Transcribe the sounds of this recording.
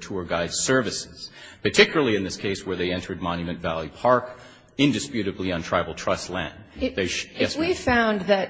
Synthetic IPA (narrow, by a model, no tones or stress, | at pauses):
tʰuə˞ɡaɪd̥sɜ˞vɨsɪz̥pʰə˞tʰɪkjl̩ˠəl̩ˠiɨ̃nðɪskʰeɪswə˞ðeɪɛ̃ntʰə˞d̚mɑ̃njɨmɨ̃ntvælˠipʰɑɹk | ɪ̃ndɨspjʉɾɨbliə̃ntʰɹ̥aɪvl̩ˠtʰɹ̥ʌstˡlæ̰̃ndðeɪjɛswifãʊ̃nðɨt̚